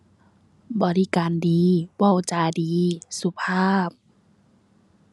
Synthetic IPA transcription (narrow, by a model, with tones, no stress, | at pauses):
bɔː˨li˦˧kaː˨ndiː˨˧wɔ˧˩˨wt͡ɕaː˨˧˩diː˨˦su˧˦pʰaː˥˩p̚